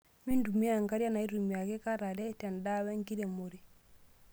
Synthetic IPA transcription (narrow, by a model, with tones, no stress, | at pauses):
mi˦ndu˨mi˦a˨ŋɡa˦ɾja˦na˨i˦ɾu˨mi˨a˨ke˦ka˦ɾa˨dɛ˦tɛ˨nda˦wɛ˦ŋki˦de˨mo˨ɾi